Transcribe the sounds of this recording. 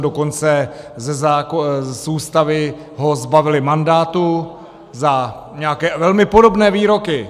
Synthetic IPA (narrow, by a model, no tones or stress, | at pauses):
doko̞nt͡sɛzɛzaːkosuːst̪avɪ | ɦo̞zbavɪlɪmandaːt̪u | za | ɲɛakɛːvɛlmɪpo̞do̞bnɛːviːɾo̞kɪ